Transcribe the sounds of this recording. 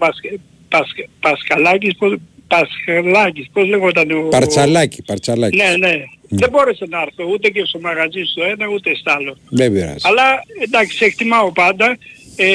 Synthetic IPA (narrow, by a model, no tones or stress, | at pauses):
pas | paspaskalak̬ispopaskalak̬isposleɣot̪aneopaɾt͡ʃalaki̥paɾt͡ʃalakneneðeboɾesenaɾθeut̪ekesomaɣat͡ʃist̪ueneut̪est̪alonebɾa̰salaed̪aksekt̪imaopad̪a | e